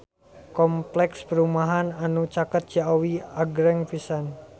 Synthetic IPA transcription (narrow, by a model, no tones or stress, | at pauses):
kɔmplɛkspəɾumaɦananut͡ʃakət̪̚d͡ʒaawiaɡɾɛŋpisan